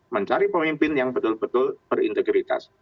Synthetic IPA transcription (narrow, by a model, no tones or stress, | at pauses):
məɲt͡ʃaɾipəmimpɪnjaŋbət̪ʊlbət̪ʊlb̥ərḭnt̪əɡɾit̪a̰s